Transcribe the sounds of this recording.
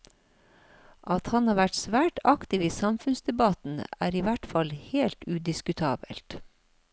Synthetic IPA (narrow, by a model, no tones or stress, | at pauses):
ʔɑt̪hɑnhɑːʋæʈsʋæːʈɑkt̪ɪʋiːsɑmfʉnsd̪ɛbɑt̪n̩æːɾiːʋæʈfɑlheːlt̪ʉd̪ɪskʉt̪ʰɑːbə̰lt̪